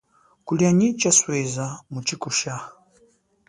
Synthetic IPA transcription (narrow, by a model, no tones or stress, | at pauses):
kulijaɲit͡ʃaswɛzamut͡ʃikuʃa